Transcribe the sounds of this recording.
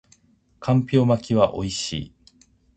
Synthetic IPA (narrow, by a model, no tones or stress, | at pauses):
kʰãmpʲo̞ːmakʲiβaʔo̞iɕḭː